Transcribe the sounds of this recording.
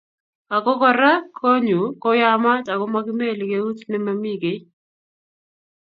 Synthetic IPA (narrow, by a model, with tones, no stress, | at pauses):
a˨kɔ˦kɔ˨ɾa˦kʰo˦ɲu˨kɔ˦ja˦ma˦ta˨kɔ˦ma˦ɡɪ˦me˦˨lɪ˨ke˦u˦tnɪ˦ma˨˦mi˦˨ɡe˨˦